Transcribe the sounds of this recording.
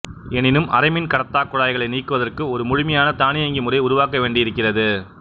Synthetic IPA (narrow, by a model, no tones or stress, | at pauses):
ɛnɪnɯmɐ̰ɾɐɪmɪnkɐɽɐt̪ːaːkːʊɻaːjɣɐɭɐɪniːkːɯʋɐðɐrkɯɔɾɯmʊɻʊmɐjaːnɐt̪aːnɪjɐŋɡimʊɾɐɪʊɾʊʋaːkɐʋeːɳɖɪjɪɾɯkːɪrɐðɯ